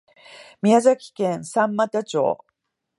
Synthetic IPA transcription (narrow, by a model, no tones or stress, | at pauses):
mʲiazakʲi̥kẽɰ̃sãmːat̪at͡ɕo̰ː